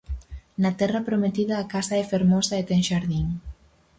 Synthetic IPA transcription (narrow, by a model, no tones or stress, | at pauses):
nat̪ɛrapɾomet̪iðaːkasaɛfeɾmosaet̪ɛŋʃaɾðiŋ